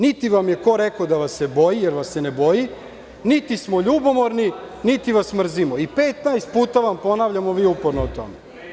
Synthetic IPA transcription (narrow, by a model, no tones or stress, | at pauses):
nit̪iʋamje̞ko̞ɾekod̪aʋasːebo̞jijeɾʋasːeneboji | nit̪ismoʎuːbo̞mo̞ɾni | nit̪iʋasmr̩zimoipeːt̪najst̪̚puːt̪aʋampo̞naʋʎamoʋiːupoɾnout̪o̞̰me